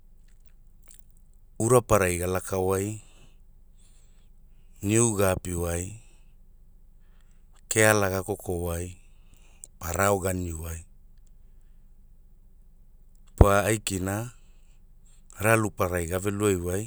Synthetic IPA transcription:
uɾapaɾajɡalakʰawaj | niuɡapiwaj | kealaɡakokʰowaj | paɾaoɡaniuwaj | paːjkina | ɾalupaɾajɡaveluajwaj

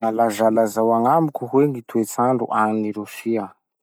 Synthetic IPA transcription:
ŋalazalazawaŋamukʲuɦweŋit̪uet͡saɳɖ͡ʐṵʔaniniɾusia

